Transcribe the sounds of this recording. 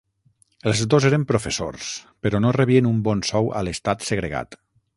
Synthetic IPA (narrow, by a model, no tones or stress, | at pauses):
əlˠzd̪ozeɾəmpɾofeso̰rspəɾɔnoreβiənumbɔnsɔwə̰ləst̪at̪səɣɾeɣa̰t̪